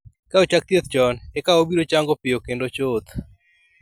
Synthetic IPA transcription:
kaot͡ʃak̚t̪jet̪̚t͡ʃɔnɛkaobiɾot͡ʃaŋɡopɪjokendot͡ʃot̪

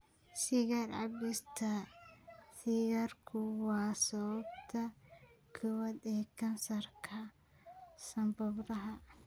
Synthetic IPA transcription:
sɪɣɐrʕɑ̰bɪst̪ʰɐ | sɪɣɐrkʰʊwɑːsɔβɐb̚t̪ʰɐkʰɔwɐd̪ɛːkʰɐnsɐrkʰɐ | sɐmbɔbɾɐɦɐ

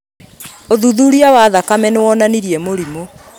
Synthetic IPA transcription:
oðuðuːɾiawaðakamɛnewɔnaniɾiɛmoɾimo

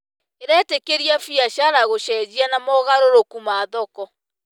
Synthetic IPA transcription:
eɾɛtekeɾiafiaɕaɾaɣoɕɛːd͡ʑianamɔɣaɾoɾokumaðɔkɔ

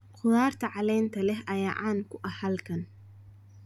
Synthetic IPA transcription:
qʰʊðaːrt̪ʰɐʕɑlɛjnt̪ʰɐlɛɦʔɐjaːʔaːnkʰʊʔɐhɐlkʰɐn

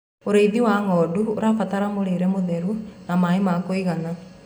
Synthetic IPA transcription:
oɾeiðiwaŋɔduoɾafat̪aɾamoɾeɾɛmoðɛɾunamaemakoiɣana

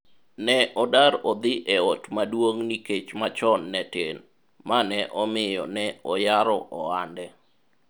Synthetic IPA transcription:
nɛʔɔdaɾɔd̪ɪʔɛotmadwoŋniket͡ʃmat͡ʃɔnːɛten | manɛʔɔmɪjɔ̰nɛɔjaɾɔʔɔandɛ

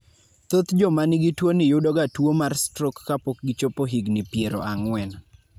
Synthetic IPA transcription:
t̪ot̪d͡ʒɔmanɪɡitwonɪjʊdɔɡatwomarstɾokːapok̚ɡɪt͡ʃopoɦiɡnɪpjeɾo̰ʔaŋwɛn

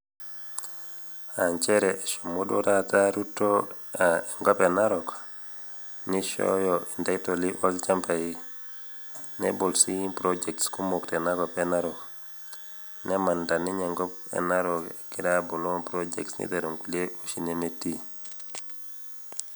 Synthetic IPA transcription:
aɲt͡ʃeɾeʃomudo̰tataɾutːo | aeŋɡɔpenaɾok | niʃo̰joindajtoliwolt͡ʃampaji | nḛbolsipɾod͡ʒektskumoktenaɡopenaɾɔk | nemandaniɲeŋɡɔpḛnaɾokekiɾabolonpɾod͡ʒḛksnḭdeɾoŋkuleuʃinemetːi

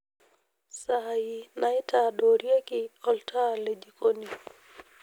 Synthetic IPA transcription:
saainaitaɗɔɾiakiɔltʰalɛʄikɔni

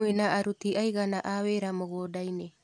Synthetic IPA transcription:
enaaɾut̪iʔajɡanaʔaβeɾamoɡoːdajne

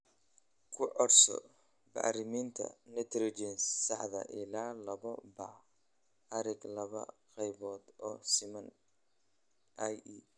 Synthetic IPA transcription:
kʰʊʕɔrsɔ̰ | bɑ̰ʕɾɪmiːnt̪ʰɐ̰nɛt̪ʰɾɪt͡ʃɛnssɑħðɐ̰ʔɪlaːlɐβɔbɑ | ɐɾɪɡlɐβɐ̰qɛjβɔːd̪ɔːsɪmɐn | ji

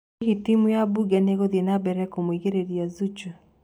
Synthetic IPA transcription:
hitimujabuɡɛneɣoðenabɛɾɛkomwiɣeɾeɾjazut͡ʃu

